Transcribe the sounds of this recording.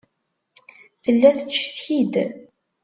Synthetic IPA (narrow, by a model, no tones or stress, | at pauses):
θəlːæθət͡ʃːθçid̪